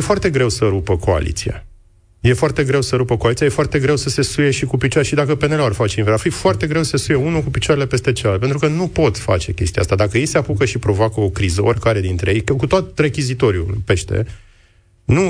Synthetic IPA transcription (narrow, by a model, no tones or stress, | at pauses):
jefoart̪e̞ɡɾe̞wsəɾupəko̞a̰lḭt̪sḭa̰ | je̞foart̪e̞ɡɾe̞wsəɾupəkoalit̪ijajefoart̪e̞ɡɾe̞wsəse̞suje̞ʃikupit͡ʃaɾeʃid̪akəpe̞nelorfat͡ʃeinveɾafijfoart̪e̞ɡɾe̞wsəsesuje̞unukupit͡ʃoaɾele̞pe̞st̪e̞t͡ʃelalt̪pent̪ɾukənupo̞t̪fa̰t͡ʃe̞kʲe̞st̪iaa̰st̪ad̪akəjejseapukəʃipɾo̞vakəokɾizəorʲkaɾe̞d̪int̪ɾe̞jejkəkut̪oot̪̚re̞kʲizit̪o̞ɾʲjṵpe̞ʃt̪e̞̰ | nu